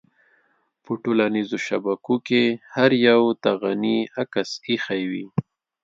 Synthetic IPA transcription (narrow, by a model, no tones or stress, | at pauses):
pəʈolanizoʃabakokehaɾjawt̪aɣaniakasixajwi